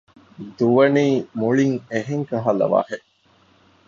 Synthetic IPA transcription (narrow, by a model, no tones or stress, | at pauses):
d̪uʋɐniːmuɭiŋeɦeŋkɐɦɐlɐ̰ʋa̰ːheʔ